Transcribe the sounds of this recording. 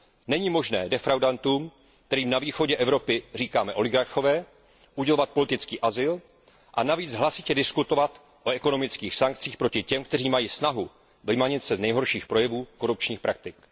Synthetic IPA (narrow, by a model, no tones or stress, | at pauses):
nɛɲiːmo̞ʒnɛːdɛfɾawdant̪uːm | k̚t̪ɛɾiːmnaviːxo̞ɟɛʔɛvɾo̞pɪr̝iːkaːmɛʔo̞lɪɡaɾxo̞vɛː | ʔuɟɛlo̞vat̪̚po̞lɪt̪ɪt͡skiːʔazɪl | ʔanaviːd͡zɦlasɪcɛdɪskut̪o̞vat̪ | ʔo̞ɛko̞no̞mɪt͡skiːxsaŋk̚t͡siːxpɾo̞cɪcɛmkt̪ɛr̝iːmajiːsnaɦu | vɪmaɲɪt̪sɛznɛjɦo̞ɾʃiːxpɾo̞jɛvuːko̞ɾup̚t͡ʃɲiːxpɾʔak̚t̪ɪk